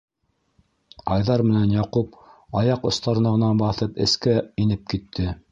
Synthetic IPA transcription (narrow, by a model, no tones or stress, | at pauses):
ɑjðɑɾmɘ̆nænjɑqup̚ɑjɑqŏst̪ɑɾɤnɑʁɤ̆nɑnbɑθɤpɘ̰̆skæinɘp̚kit̪ʰːɘ